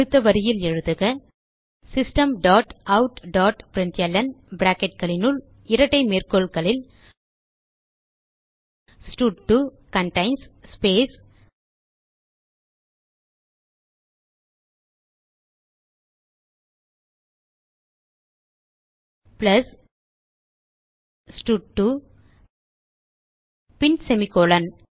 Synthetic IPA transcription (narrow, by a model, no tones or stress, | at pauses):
ɯt̪ːɐʋɐɾɪjɪlɛɻɯðɯɣɐ | sɪsʈɐmɖaːʈɐʊʈɖaːʈpɾɪnt͡ʃjɐlɐnbɾaːkɛʈ̚kɐɭɪnɯl | ɪɾɐʈːɐɪmeːrkoːɭkɐɭɪl | sʈuʈːu | kɐɳʈɐɪnsspeːs | plɐs | sʈuʈːu | pɪnsɛmɪkoːlɐn